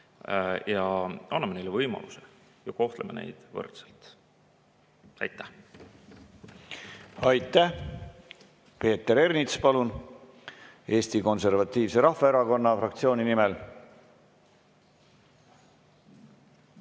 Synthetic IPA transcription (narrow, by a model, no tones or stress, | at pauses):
jɑɑnːɑmenejlevɤjmɑ̰luse | jɑko̞ht̪lemene̞̰jd̪̥vɤ̰rt̪selt̪ | ɑ̰jt̪ːæ | ɑjt̪ːˑæh | pe̞ːt̪ːeɾe̞ɾnit̪spɑlun | e̞ːst̪iko̞nse̞rvɑt̪ːiːvse̞ɾɑhːɑeɾɑko̞nːɑfrɑkt̪sio̞ːninimɛl